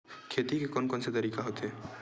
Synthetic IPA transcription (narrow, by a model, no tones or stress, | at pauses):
kʰeːt̪ikekɔːnkɔːnset̪ɐɾiːkaɦoːt̪eɦɛː